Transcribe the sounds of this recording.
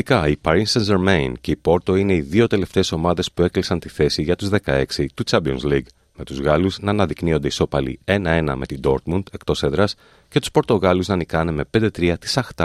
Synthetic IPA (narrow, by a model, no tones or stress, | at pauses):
ikɐipɐɾinsɐnzeɾmeince̞ipo̞ɾt̪o̞ine̞iðio̞t̪e̞le̞ft̪e̞ːso̞mɐðe̞spue̞klisɐnt̪iθe̞siʝɐt̪uzðe̞kɐe̞ksit̪ut͡ʃɐbio̰nsliɡ | me̞t̪uzɣɐluznɐːnɐðiknio̞nd̪e̞iso̞pɐlḭe̞nɐe̞nɐ̰me̞t̪id̪o̞ɾt̪mund̪̥e̞k̚t̪o̞seðɾɐs | ce̞t̪u̥spo̞ɾt̪o̞ɣɐluznɐnikɐne̞me̞pe̞nd̪e̞t̪ɾiɐt̪i̥sɐxt̪ɐ